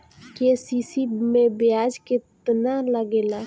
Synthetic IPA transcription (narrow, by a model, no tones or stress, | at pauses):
kesisimẽbjad͡ʒkɪt̪naləɡeːla